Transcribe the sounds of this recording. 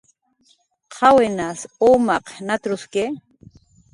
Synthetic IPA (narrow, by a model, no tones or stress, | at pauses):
qʰɑwenasomaqnat̪ɾʊske